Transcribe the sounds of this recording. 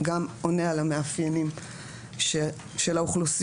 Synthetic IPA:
ɡamonealameafjenim | ʃelauχlusi

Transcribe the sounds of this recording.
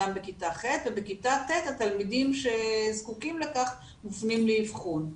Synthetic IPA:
ambekitaχet̪vebekitat̪et̪atalmidimʃe̞zkukimlekaχ | mufnimleifχun

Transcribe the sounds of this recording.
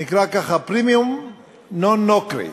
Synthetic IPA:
ɪkɾakaχapɾɪmjum | nonokɾḛ

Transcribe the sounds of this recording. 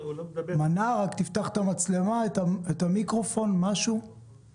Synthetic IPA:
manaʁakt̪ift̪aχt̪amat͡sle̞maetaet̪amikʁo̞fo̞nmaʃu

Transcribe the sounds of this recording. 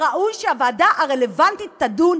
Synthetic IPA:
ʁaʔujʃeavaːdaʔaʁelevantit̪ːadun

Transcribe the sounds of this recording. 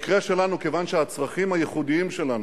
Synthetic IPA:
kʁeʃe̞lanukevanʃehat͡sʁaχimhajeχud̪iimʃe̞lanu

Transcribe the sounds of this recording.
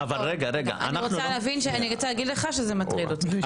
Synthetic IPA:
avalʁeɡaʁeɡa̰ʔa̰nʁot͡salːvinʃeaniʁot͡salaɡid̪leχaʃezematʁidot̪a

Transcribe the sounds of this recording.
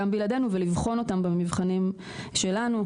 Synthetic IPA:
ambeijlade̞nuvelivχo̞no̞tambamivχanim | ʃe̞lanu

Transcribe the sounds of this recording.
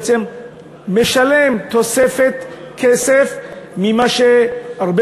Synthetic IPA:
t͡semː | eʃale̞mt̪o̞sefet̪ | kʰesefmimaʃeaʁbe

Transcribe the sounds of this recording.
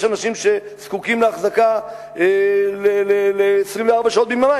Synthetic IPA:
ʃanaʃimʃe̞ | skukimleaχzaka | eleleleːsʁimveaʁbaʃaot̪bimama

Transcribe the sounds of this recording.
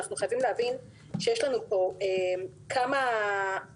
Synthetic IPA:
aχnuχajavimleɦavin | ʃejeʃlanupo̞em | kʰama

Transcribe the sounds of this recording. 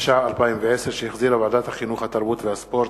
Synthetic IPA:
ʃaʕalpaimveʕeseɾʃejiχziɾavaʕad̪at̪haχinuχhat̪aʁbut̪vehaspoɾt

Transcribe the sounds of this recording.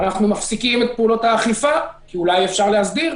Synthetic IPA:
naχnumafsikimet̪̚peulo̞t̪haːχifakiulajefʃaʁleɦasd̪iʁ

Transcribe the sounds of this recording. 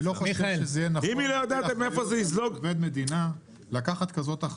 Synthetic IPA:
loχoʃeʃezejenaimilojod̪at̪meefozeizloɡved̪med̪ina | lakaχat̪kazo̞t̪aχ

